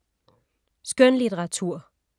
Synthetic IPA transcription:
sɡ̥œnlit͡seʁɑ̈t͡sʰuɐ̰

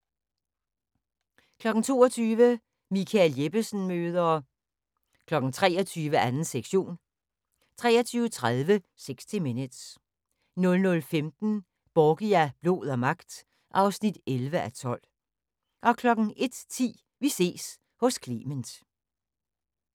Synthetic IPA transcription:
kʰlɒ̽ɡ̥ŋ̩t͡sʰo̝̰ːɒt͡sʰyːʋə | mikʰælje̝b̥əsn̩møːð̞ˠɐ | kʰlɒ̽ɡ̥n̩t͡sʰʁɛ̰ːɒt͡sʰyːʋəʔænn̩seɡ̥ɕo̝̰ːn | t͡sʰʁɛ̰ːɒt͡sʰyːʊət͡sʰʁaðˠʋə | seɡ̥sd̥ʰiminəd̥s | nɔ̽lnɔ̽lfemd̥n̩ | b̥ɒːɡ̥iæb̥lo̝ð̰ˠɒmɑ̈ɡ̥̚d̥ | ʔɑ̈ʊsnid̥elʋəʔæt͡sʰɒ̽l̰ | ʔɒ̽kʰlɒ̽ɡ̥n̩e̝d̥t͡sʰḭː | ʋise̝̰ːs | hɔ̽skʰlḭːmənd̥

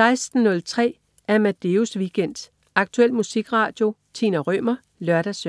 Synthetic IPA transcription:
ɑ̈ɪsd̥n̩nɔ̽lt͡sʰʁɛ̰ː | æɐmæd̥e̝usʋiɡ̥en̰d̥ | ɑ̈ɡ̥̚t͡sʰuel̰̥musiɡ̥ʁɑ̈ːd̥jo̝t͡sʰḭnæʁœmɐ | lɶɐɾ̥æsø

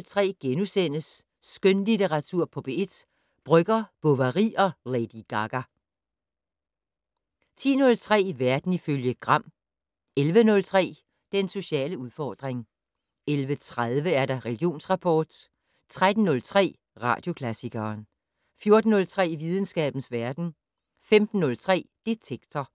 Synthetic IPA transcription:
lt͡sʰʁɛ̰ːɡ̥enusen̰əsː | ɡ̥ønlidʰeʁɑ̈t͡sʰuɐ̰pʰɒ̽b̥ee̝d̥ | b̥ʁœɡ̥ɐb̥ɔʋɐʁḭːɒ̽led̥iɡ̥ɑɡ̥æ | t͡sʰḭːnɔ̽lt͡sʰʁɛ̰ːʋæɐd̥n̩iføljəɡ̥ʁɑ̈m̰ | elʋənɔ̽lt͡sʰʁɛ̰ː | d̥enso̝ɕɛ̰ːləuðˠfɒːd̥ʁeŋ | elʋət͡sʰʁaðˠʋəæɐɾɑ̈ʁɛliɡ̥jo̝̰ːnsʁɑ̈pʰɒːd̥ | t͡sʰʁad̥n̩ːɔ̽lt͡sʰʁɛ̰ː | ʁɑ̰̈ːd̥jo̝kʰlæsiɡɐːn | fjo̝ːɐd̥n̩ːɔ̽lt͡sʰʁɛ̰ːʋið̞ˠn̩sɡ̥ɛ̰ːb̥n̩sʋæɐd̥n̩ | femd̥n̩ːɔ̽lt͡sʰʁɛ̰ːd̥et͡sʰeɡ̥t͡sʰɐ

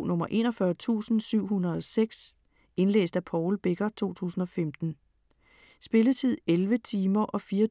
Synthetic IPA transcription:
nɔ̽mɐʔe̝̰ːnɒfɶɐt͡sʰṵːsn̩syʊ̰hunɐð̞̩ˠɒ̽seɡ̥s | e̝nlḛːsd̥æpʰɒʊlb̥e̝ɡ̥ɐt͡sʰo̝̰ːt͡sʰṵːsn̩ɒ̽femd̥n̩ | sb̥e̝lət͡sʰið̞̰ˠelʋət͡sʰiːmɐʔɒ̽fiːɐ

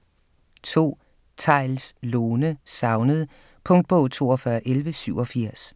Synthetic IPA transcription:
t͡sʰo̝̰ː | t͡sʰɑ̈ɪlsloːnəsɑ̈ʊnəð̞ˠ | pʰɔ̽ŋ̰d̥̚b̥ɔ̽ʊt͡sʰo̝̰ːɒfɶɐʔelʋəsyʊ̰ɒ̽fiɐ̰s

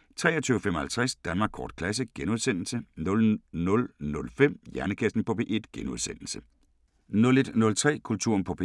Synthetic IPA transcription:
t͡sʰʁɛ̰ːɐt͡sʰyːʊfem̰ɒ̽hælt͡sʰʁasd̥ænmɑ̈ːɡkʰɒ̰ːd̥̚kʰlæs̬əɡ̥enuðˠsen̰l̩sənɔ̽lnɔ̽lnɔ̽lfem̰jæɐnəkʰæsd̥n̩pʰɔ̽pʰeʔe̝d̥ɡ̥enuðˠsen̰l̩sə | nɔ̽le̝d̥nɔ̽lt͡sʰʁɛ̰ːkʰult͡sʰuɐ̰npʰɔ̽pʰe

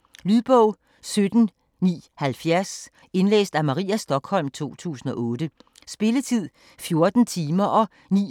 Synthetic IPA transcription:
lyðˠb̥ɔʊ̰ | sød̥n̩ | nḭːhælfjæɐs | e̝nlḛːsd̥æmɑ̈ʁḭːæsd̥ɒ̽ɡ̥hɒ̽l̰mt͡sʰo̝̰ːt͡sʰṵːsn̩ɒ̽ʔɔ̽ːd̥ə | sb̥e̝lət͡sʰið̰ˠ | fjo̝ɐd̥n̩t͡sʰiːmɐʔɒ̽ | nḭː

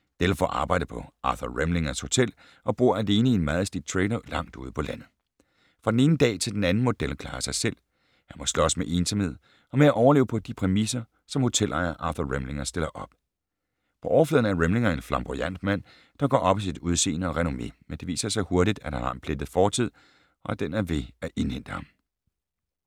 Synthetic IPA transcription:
d̥elfɒ̰ʔɑ̈ːb̥ɑ̈ɪ̰d̥əpʰɒ̽ɑ̈ːθɐʁemle̝ŋɐsho̝t͡sʰel̰ | ʔɒ̽b̥ʁuɐ̰æle̝ːnəe̝nmɑ̈ːð̞̩ˠsd̥id̥̚t͡sʰʁɛɪnɐlɑ̈ŋ̰d̥ṵːð̞ˠpʰɒ̽læn̰ð̩ˠ | fʁɑ̈d̥ene̝ːnəd̥ɛ̰ːt͡sʰe̝ld̥enænn̩mo̝d̥elkʰlɑ̈ːsɑ̈ɪsel̰ | hænmɒ̽slɒ̽smeʔe̝ːnsɒmhe̝ð̰ˠ | ɒ̽meæʔɒʊɐle̝ːʊpʰɒ̽d̥ipʰʁɛmisɐ | sɒ̽mho̝t͡sʰelʔɑ̰ɐʔɑ̈θɐʁemle̝ŋɐsd̥e̝lɐʔɒ̽b̥̚ | pʰɒ̽ʔɒʊɐflɛ̰ð̰ˠn̩æɐʁemle̝ŋɐe̝nflɑ̈mb̥ojæn̰d̥mæn̰ | d̥ɑ̈ɡ̥ɒ̰ːɒ̽b̥æsid̥uð̞ˠse̝̰ːnəɒ̽ʁɛno̝me̝̰mend̥e̝ʋḭːsɐsɑ̈ɪho̝ɐɾid̥æd̥hænhɑ̈ʔenpʰled̥ð̩ˠfɒːt͡sʰið̞̰ˠ | ɒ̽æd̥enæɐʋe̝æʔe̝nhen̰d̥əhɑ̈m

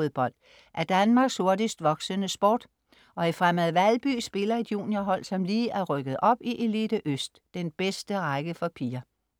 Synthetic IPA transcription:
oðˠb̥ɒ̽l̰d̥ | ʔæɐd̥ænmɑ̈ːɡ̥sho̝ɐd̥isd̥ʋɒ̽ɡ̥sənəsb̥ɔ̰ːd̥ | ʔɒ̽ifʁamæð̩ˠʋælb̥y̰ːsb̥e̝lɐe̝d̥jṵːnjɐɦɒ̽l̰sɒ̽mliːʔæɐʁœɡ̥əð̞̩ˠʔɒ̽b̥iʔe̝lid̥əʔøsd̥ːenb̥esd̥əʁɑɪɡ̥əfɒpʰiːɐ

